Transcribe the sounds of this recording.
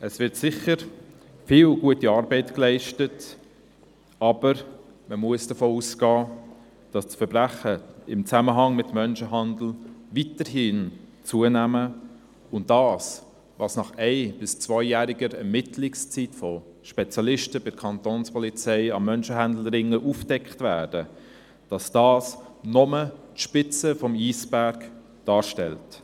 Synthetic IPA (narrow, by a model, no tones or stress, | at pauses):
əsvɪɾtsɪχəɾ | fɪːlɡuətiɑːɾbɛɪtklɛɪʃtət | ɑb̥əɾ | məmuəsd̥əfoːusɡ̥ɑː | d̥ɑsfəɾbɾæχəɪmt͡sæməɦɑŋmɪtmœnʃəɦɑnd̪l̩vitəɾhɪnt͡suənæmə | ʊnt̚dɑːs | vɑːsnɑχɛɪb̥ɪst͡svœʏjæːɾɪɡəɾɛɾmɪtʰlɪkst͡sitfɔ | ʃpɛt͡sjɑlɪʃtəb̥ɪdkʰɑnt̪oːnspɔlit͡sɛɪɑmœnʃəɦænd̪l̩ɾɪŋːəʔufd̥ɛkχtvæːd̥ə | d̥ɑsd̥ɑːsnɔmətʃpɪt͡səfɔmiːsb̥æɾk | d̥ɑːɾʃtɛlt